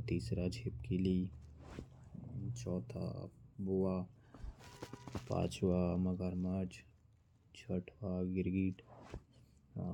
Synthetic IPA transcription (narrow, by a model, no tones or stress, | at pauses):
t̪iːsɾad͡ʒʱepkili | t͡ʃɔːt̪ʰa̰bua | pã̰ːt͡ʃwaməɡəɾmad͡ʒ | t͡ʃʰəʈʰwaɡɪɾɡiːʈ